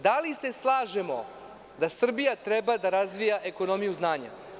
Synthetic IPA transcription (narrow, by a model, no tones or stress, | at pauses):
d̪alise̞slˠaːʒe̞mo̞̰ | d̪asr̩bijat̪ɾebad̪aɾazʋijaʔe̞ko̞no̞mijuznaːɲa̰